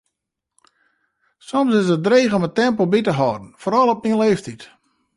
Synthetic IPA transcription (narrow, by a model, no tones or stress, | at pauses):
sɔmsɪsət̚dreːɣɔmətɛmpəl̩ˠbitəɦɔdn̩foːɾɔlˠɔp̚niənleːftit